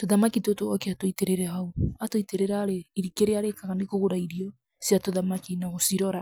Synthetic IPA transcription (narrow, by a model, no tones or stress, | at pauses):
toðamakitotoɔkeatoiteɾeɾɛɦauatoiteɾeɾaɾeiɾikeɾeaɾekaɣanekoɣoɾaiɾiɔ | sjatoðamakinaɣosiɾɔɾa